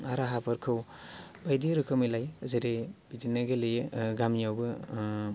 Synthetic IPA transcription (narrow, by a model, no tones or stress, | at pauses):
aɾaɦapʰɯɾkʰɯwbajdiɾɯkʰɯmilajzeɾeb̥idinaɡelejɯɡamjawbɯ